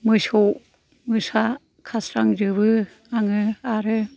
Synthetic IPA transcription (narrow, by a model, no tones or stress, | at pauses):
mɯsow | mɯsa | kʰasɾaŋd͡ʒɯbɯ | aŋɯaɾɯ